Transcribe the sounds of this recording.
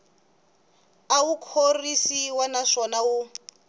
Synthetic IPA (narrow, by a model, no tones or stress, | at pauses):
awukʰorisiwɛnaʂɔnawu